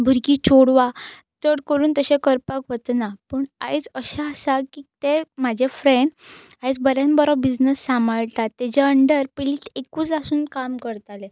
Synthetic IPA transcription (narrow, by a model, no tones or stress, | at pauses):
bʱuɾkiːt͡ɕʰoɽʋa | t̪əɽkəɾuːnt̪əɕẽkəɾpakʋət̪ənapəɳa̰jt͡səɕaəsakiːt̪em̤ad͡ʑʱefɾeɳɖ | ajt͡sbəɾjanbəɾɔbid͡znəsːamaɭt̪at̪ːed͡ʑaəɳɖəɾpiliːʈekuːt͡sasuːnkamkəɾt̪ale